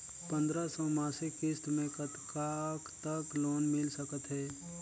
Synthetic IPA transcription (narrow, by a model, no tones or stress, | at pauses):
pə̃nd̪ɾasə̃maːsikɪst̪mẽkət̪kakt̪əkloːnmɪlsəkət̪ɦɛː